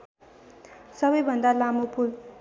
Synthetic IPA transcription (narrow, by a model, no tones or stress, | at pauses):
sʌbʌjbʱʌnd̪alamopul